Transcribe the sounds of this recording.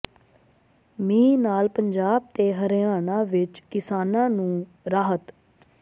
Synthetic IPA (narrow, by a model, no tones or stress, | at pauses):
mĩːnaːlpəɲd͡ʒaːb̚t̪eːɦəɾaːnãːʋɪt͡ʃkɪsaːnãːnũː | ɾaːɦət̪